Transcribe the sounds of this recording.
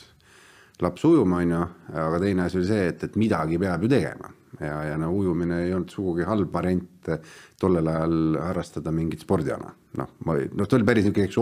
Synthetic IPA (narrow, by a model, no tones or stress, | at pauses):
lɑpsujumɑonʲːjuɑɡ̥ɑt̪e̞jneɑsʲio̞lʲise̞ːt̪ːet̪ːˑmid̪̥ɑɡ̥ipe̞ɑb̥jut̪e̞ɡ̥ḛmɑ̰ | jɑjɑnoujumineejo̞lt̪suɡ̥uɡiɦɑlbvɑɾe̞nʲt̪ːt̪o̞lːelɑjɑlhɑrːɑst̪ɑd̪̥ɑmiŋɡit̪spo̞rd̪iɑ̰nɑ̰ | no̰hmɑnot̪eolʲipæɾisykːˑeeks